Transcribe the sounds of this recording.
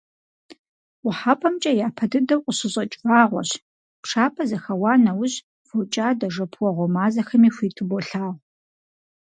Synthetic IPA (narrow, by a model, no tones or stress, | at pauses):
wʊħapʰʼɐmt͡ʃʼɐjaːpʰɐdɨdɐwqʷʼʊɕɪɕʼɐt͡ʃʼvaːʁʷɔ̰ɕ | pʈ͡ʂʰaːpʰɐzɐxɐwɑːnɐwʊɕ | fot͡ʃʼaːdɐʐɐpʰwɔʁʷɔmaːzɐxɐmiːxʷiːtʰɨbɔɬaːʁ